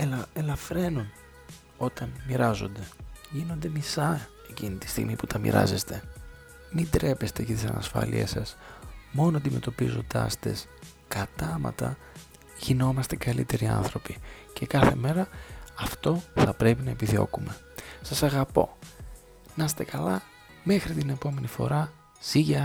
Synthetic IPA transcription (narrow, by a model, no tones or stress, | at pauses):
elelɐfɾe̞nun | o̞t̪ɐnmiɾɐzo̞̰nd̪e̞ʝino̞nd̪e̞misɐ | e̞cinit̪i̥st̪ḭɣmiput̪ʰɐmḭɾɐ̰zest̪e̞ | mid̪ɾe̞pe̞st̪e̞ʝɐt̪isɐ̰nɐ̰sfɐ̰lḭḛsɐsmo̞noɐnd̪ime̞t̪o̞pizo̞nd̪ɐ̰st̪e̞̰s | kɐt̪ɐmɐ̰t̪ɐ̰ | ʝ̥ino̞mɐst̪e̞kɐlḭt̪e̞ɾiɐ̰nθɾo̞pi | ce̞kɐθe̞me̞ɾɐɐft̪o̞θɐpɾe̞pinɐepiðio̞̰kume̞ | sɐsɐɣɐpo̞ | nɐst̪e̞kɐlɐ | me̞xɾit̪ine̞po̞me̞nifo̞̰ɾɐ | siʝɐ